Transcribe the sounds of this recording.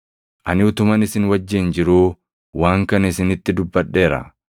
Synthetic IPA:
ʔɐnɪʊt̪ʊmɐnɪsɪnwɐd͡ʒːeːnd͡ʒɪɾuː | waːŋkɐnɪsɪnɪt̪ːɪd̪ʊbːɐɗːe̞ːɾɐ̰

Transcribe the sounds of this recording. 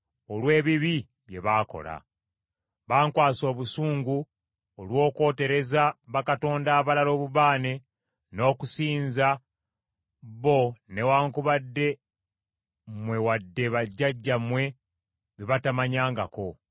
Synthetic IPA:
olwe̞ːβiβi | βje̞̰βaːko̞̰la̰ | βaːŋkwaːso̞ːβusuːŋɡu | olwo̞ːko̞ːte̞ɾe̞zaβakato̞ːndaːβalalo̞ːβuβaːne̞ | no̞ːkusiːnza | βo̞ne̞waːŋkuβadːe̞ | mwe̞wadːe̞βaɟːaɟːamwe̞ | βiβatamaɲaːŋɡa̰ko̞

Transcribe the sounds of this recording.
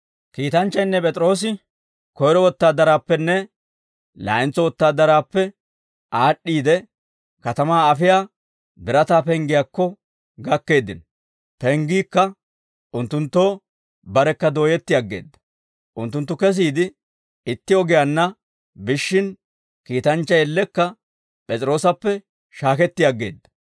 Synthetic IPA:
kiːt̪ɐnt͡ʃːɐjnːɛpʼɛt̪ʼɾo̞ːs̬ɪ | kɔjɾɔwɔt̪ːaːd̪ɐɾaːpːɛnːɛ | la̰ːɪnt͡sːɔwɔt̪ːaːd̪ɐɾaːpːɛ | ʔaːɗːiːd̪ɛ | kɐt̪ɐmaːɐfɪjaː | bɪɾɐt̪aːpɛŋɡɪjakːɔ | ɡɐkːe̞ːd̪ːɪnɔ | pɛŋɡiːkːɐ | ʔʊnt̪ːʊnt̪ːoː | bɐɾɛkːɐd̪o̞ːjɛt̪ːɪjaɡːe̞̰ːd̪ːɐ | ʔʊnt̪ːʊnt̪ːʊkɛs̬iːd̪ɪ | ɪt̪ːɪɔɡɪjanːɐ | bɪʃːɪn | kiːt̪ɐnt͡ʃːɐjɛlːɛkːɐ | pʼɛt͡sʼɾo̞ːsɐpːɛ | ʃaːkɛt̪ːɪjaɡːe̞̰ːd̪ːɐ̥

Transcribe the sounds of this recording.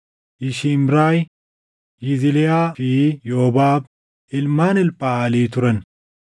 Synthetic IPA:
ɪʃimɾaːj | jɪzɪlɛjaːfiːjoɔbaːb | ɪlmaːnɪlpʼːaːliːt̪ʊɾɐn

